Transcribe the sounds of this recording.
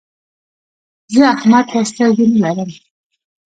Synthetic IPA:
zəahmad̪ast̪awd͡ʒunlaɾəm

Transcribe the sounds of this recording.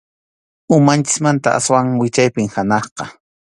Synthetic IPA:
ʊmant͡ʃɪ̥smant̪a̰ʔa̰swaŋwɪt͡ʃajpɪŋhanɑχqɑ

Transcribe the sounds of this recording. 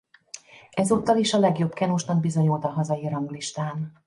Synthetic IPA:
ɛzuːt̪ːɒliʃɒlɛɡjo̞bkɛnuʃnɒɡ̚bizoɲult̪ɒɦɒzɒjiɾɒŋɡliʃt̪aːn

